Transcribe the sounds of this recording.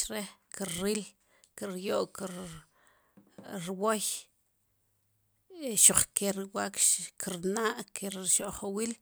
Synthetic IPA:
ɾehkiɾɾil | kiɾjoʔkiɾ | ɾwoj | ʃoχkeɾiwaːkʃkiɾnaʔkʰeɾʃoʔχowiːl

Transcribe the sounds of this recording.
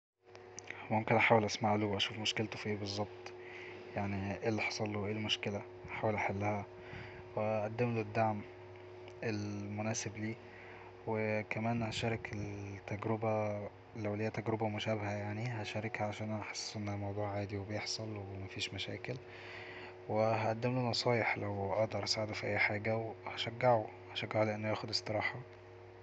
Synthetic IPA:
momkenʔaħaːwelʔæsmaʕlowʔæʃuːfmoʃkelt̪ofiːbezˤːɑb̚t̪ˤ | jaʕniʔelːiħɑsˤɑlːoʔeːlmoʃkelæ | ʔaħaːwelʔæħalːæhæ | weʔæʔæd̪ːemlod̪ːaʕm | elmonæːsebliː | wekæmæːnhæʃɑːɾˤɑkelt̪ːæɡɾobæ | læwlejːæt̪æɡɾebæmoʃæːbhæjaʕniɦæʃæɾekhæʕaʃæːnʔænɑħesˤːʔenːhæmɑwd̪ˤuːʕʕaːd̪iwebejeħsˤɑlwemæfiːʃmæʃæ̰ːkel | weɦæʔæd̪ːemlonɑsˤɑːjeħlæwʔɑʔd̪ɑɾˤʔæsʕed̪ofiʔæjːħaːɡæwehæʃæɡːeʕu | hæʃæɡːaʕuleʔenːojæːxod̪esˤt̪ɨɾˤɑːħɑ

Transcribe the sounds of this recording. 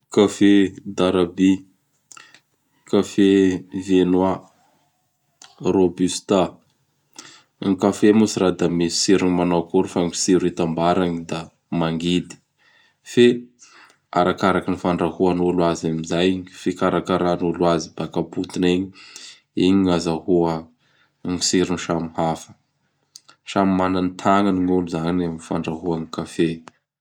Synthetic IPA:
kafed̪aɾabi | kafevenwa | robyst̪a | ŋkafemusiɾad̪amesi̥siɾiɲimanawkuɾufaŋi̥siɾit̪ambaɾaɲid̪a | maŋɡid̪i̥ | fe | aɾakaɾakinifaɳɖ͡ʐahuanuluazamizajiɲifikaɾakaɾanulwazibakaput̪ineɲi | iɲiŋazahuə | ŋisiɾuniʃamihafə̥ | ʃamimananit̪ʰaŋaniɲuluzaɲinaminifaɳɖ͡ʐaɦuaŋikafe

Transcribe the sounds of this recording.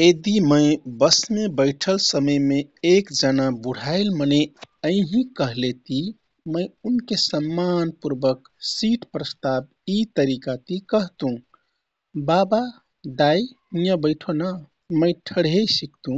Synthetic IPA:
ed̪iməjbəsmebəɪʈʰəlsəməjmeekd͡ʒənabuɽ̤ʱaɪlməneəɪ̃ɦĩkəɦlet̪i | mə̃ɪunkesəmːanpuɾbək | siʈpɾəst̪ab̚ | it̪əɾikat̪ikəɦt̪ũ | baba | ɖaj | ĩjə̃bəɪʈʰona | məɪʈʰəɽɦesikt̪ũ

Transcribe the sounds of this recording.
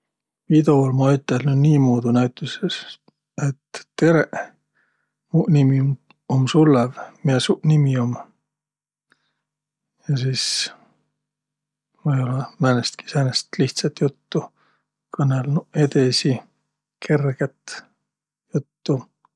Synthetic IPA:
vid̪olmɑjyt̪ːˑelnuniːmuːd̪unæɥt̪ːˑuses | et̪ːeɾeʔ | munimi | omsulːevmiesunimiom | jɑsiːs | vɤjolɑmænest̪̚ki̥sænest̪liht̪sɑt̪jut̪ːu | kɤnelnue̞d̪esi | kʰe̞rɡ̥et̪ | jut̪ːu

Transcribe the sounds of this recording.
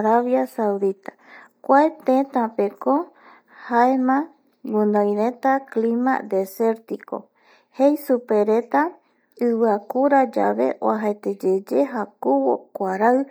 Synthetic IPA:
ɾaβjasawd̪it̪ḁ | kʷaet̪ẽt̪ãpeko | haemã | ɡunõjɾẽ̞t̪aklima̰d̪e̞se̞ɾt̪iko̰ | hejsupe̞ɾe̞t̪a | ɨβɨakuɾad͡ʒa̰βe̞̰ʔoaɦaet̪ed͡ʒed͡ʒeɦakuβo̰kʷaɾaɨ

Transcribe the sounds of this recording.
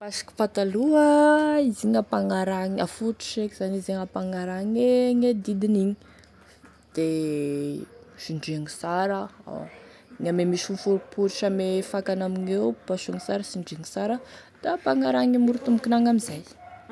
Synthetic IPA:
pasi̥ki̥pat̪aluəiziŋapaŋaɾaŋafuʈ͡ʂu̥ʃekiz̥anizeŋapaŋaɾaŋeŋed̪id̪iniɲi | d̪̥e | ʃiɳɖ͡ʐiaŋisaɾəa̰ | ŋamemiʃunfuɾupuɾiʃamefakanaminewpaʃuŋisaɾəsiɳɖ͡ʐeŋisaɾə | d̪̥apaŋaɾaŋimuɾut̪umukinaŋamizaj

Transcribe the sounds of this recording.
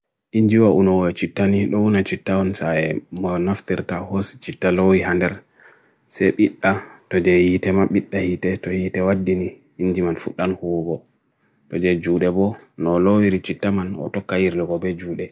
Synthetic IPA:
ʔiɲd͡ʒiwaʔunɔwɔt͡ʃitːaniɗɔwunat͡ʃitːaɔnsaɛmɔnaftiɾtahost͡ʃitːalowihandɛɾ | sɛɓiɗːatɔd͡ʒɛjitɛmaɓiɗːahitɛtɔjitɛwadːiniː | nd͡ʒimanfuɗːanhuɡɔ | tɔd͡ʒɛd͡ʒuːɗɛbɔnɔlowiɾit͡ʃitːamanɔ̰tɔkːajiɾlɔɡɔbɛd͡ʒuːɗɛ

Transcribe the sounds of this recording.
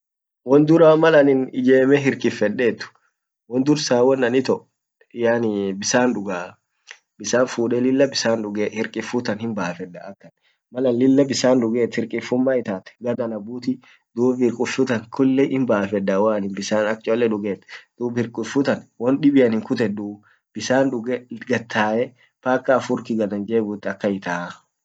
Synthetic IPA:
wɔnd̪ʊɾaːmɐlɐnɪnɪd͡ʒeːmɛɦɪɾkʼɪfɛᶑːeːt̪ːʊ̥ | wɔnd̪ʊɾsaːwɔnːɐnɪt̪ɔʔ | jaːnɪbɪsaːnᶑʊɡaː | bɪsaːnfuːᶑɛlɪlːɐbɪsaːnᶑʊɡehɪɾkʼɪfʊt̪ɐnhɪmbaːfɛdːɐɐkːɐn | mɐlɐnlɪlːɐbɪsaːnᶑʊɡeːt̪hɪɾkʼɪfʊmːaːɪt̪aːt̪ɛ̥ɡɐd̪ɐnɐbuːt̪ɪ | d̪uːbɪɾkʼʊfʊt̪ɐŋkʰʊlːɛʔɪmbaːfɛd̪ɐwaːnɪnbɪsaːnɐk̚t͡ʃʼolːɛᶑʊɡeːt̪ːd̪̥uːbɪɾkʼʊfʊt̪ɐnwɔnɗɪbɪjɐnɪŋkʊt̪ɛd̪u | b̥ɪsaːnᶑʊɡɛɡɐt̪ʰːaːjɛ | paːkːaːfʊɾkɪɡɐd̪ɐnd͡ʒeːbʊt̪ːɐkːɐɪt̪aː

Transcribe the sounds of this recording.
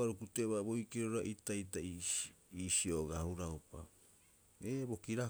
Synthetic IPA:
aɾukuteʔβabojkeɾoɾaʔitajtaiiːsio̞ɡahuɾaopa̰ | ebo̞kiɾa

